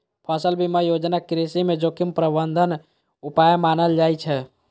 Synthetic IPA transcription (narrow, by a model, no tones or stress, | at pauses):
pʰəsəlbʱiməjod͡ʒnakɾisimed͡ʒokimpɾəbənd̪ʱən | upajmanəld͡ʒajt͡ʃʰɛ